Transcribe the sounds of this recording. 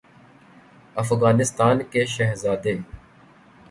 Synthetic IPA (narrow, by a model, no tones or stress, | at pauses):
əfɣaːnɪst̪aːnkeːʃɛɦzaːd̪eː